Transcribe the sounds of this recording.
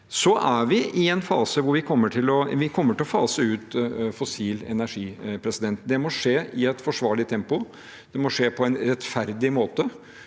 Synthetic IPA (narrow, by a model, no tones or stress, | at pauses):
sɔʔæʋɪʔɪɛnfɑːsəʋʊɾʋɪkʰɔmːəʈʰɪlɔʋɪkʰɔmːəʈɪlɔfɑːsəʉːt̪fɔsiːlɛ̰næʂiːpʰɾɛsɪd̪ɛnt̪̚d̪ɛmɔʂeːɪɛt̪fɔʂʋɑːɭɪt̪ʰɛmpʊ | d̪̥ɛmɔʂeːpʰɔɛnɾɛt̪fæɾd̪ɪmoːt̪ə